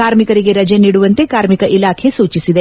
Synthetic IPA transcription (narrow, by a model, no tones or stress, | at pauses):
kaːɾmikɐɾiɡe̞ɾɐd͡ʒeniːɽuʋɐnt̪e̞kaːɾmikɐʔilaːkʰe̞suːt͡ʃisid̪e̞